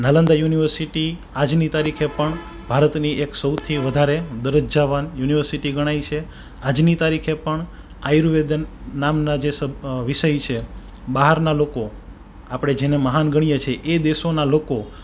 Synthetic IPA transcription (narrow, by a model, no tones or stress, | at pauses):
nalə̃nd̪ajuniʋəɾsiʈi | ad͡ʒnit̪aɾikʰepəɳ | b̥ʱaɾət̪niʔeksəwt̪ʰiʋəd̪ʱaɾed̪əɾəd͡ʒd͡ʒaʋanjuniʋəɾsiʈiɡəɽ̃ajt͡ʃʰe | ad͡ʒnit̪aɾikʰepəɳ | ajɾuʋed̪namnad͡ʒesəʋiʃəjt͡ʃʰe | ɓaɦəɾnaloko | apɽ̃ed͡ʒeneməɦanɡəɽ̃ijat͡ʃʰeʔed̪eʃonaloko